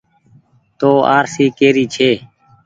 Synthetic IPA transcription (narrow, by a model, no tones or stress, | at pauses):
t̪oːa̰ːɾsiːkeːɾiːt͡ʃʰeː